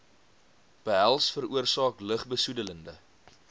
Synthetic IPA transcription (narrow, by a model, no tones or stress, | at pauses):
b̥əɦælˠsfəɾuərsɑːkləχbəsudələndə